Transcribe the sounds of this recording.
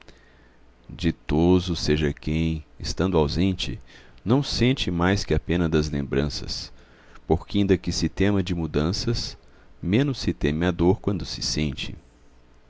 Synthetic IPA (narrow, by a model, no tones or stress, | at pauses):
d͡ʒɪt̪ozʊseʒɐkẽj̃ɪst̪ɐ̃nd̪ʊawzẽnt͡ʃɪ̰nɐ̃w̃sẽnt͡ʃɪmajskɪɐpẽnɐd̪ɐzlḛ̃mbɾɐ̃sɐ̰s | poɾkɪĩnd̪ɐkɪsɪt̪ẽmɐd͡ʒɪmud̪ɐ̃sɐs | mẽnʊsːɪt̪ẽmɪad̪oɾkwɐ̃nd̪ʊsɪsẽnt͡ʃɪ̰